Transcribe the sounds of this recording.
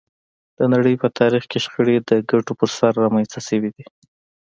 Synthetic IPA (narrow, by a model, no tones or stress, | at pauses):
d̪̥ənaɽəjpət̪ʰɑɾixkeʃxəɽed̪əɡaʈopəɾsaɾːɑmanst̪aʃəwid̪i